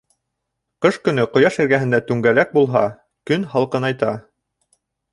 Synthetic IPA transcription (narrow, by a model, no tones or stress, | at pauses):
qɤʃkɵ̆nɵqŏjɑʃɘ̆ɾɡæɦɘ̆nd̪æt̪ʉŋɡælæk̚bulˠɦɑ | kɵnhɑlˠqɤnɑjt̪ɑ